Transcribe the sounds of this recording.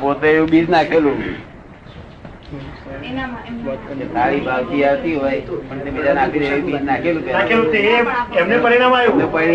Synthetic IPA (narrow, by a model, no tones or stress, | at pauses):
pot̪eeũbid͡ʒnakʰelũ | d͡ʒesaɭibʱaʋt̪iaʋt̪iɦojpəɳt̪ebid̪anapiɾeũbid͡ʒnakʰelũpjakkʰelũt̪eeemnepəɾiɽamajũnepəi